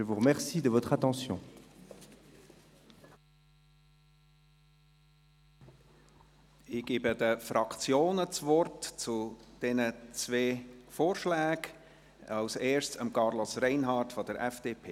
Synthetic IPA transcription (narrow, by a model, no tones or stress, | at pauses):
ʒəvuʁəmɛʁsid̪əvɔt̪χat̪ɑ̃sjɔ̃ | ɪɡ̥iːbəd̪əfɾɑkt͡sjoːnət͡svɔrtt͡sud̥ɛnət͡sveːfoːrʃlæːɡ | ɑʊseːɹʃsəmkɑɾlɔsrɛɪnɦɑrtfɔd̪əɾʔɛfd̥epʰeː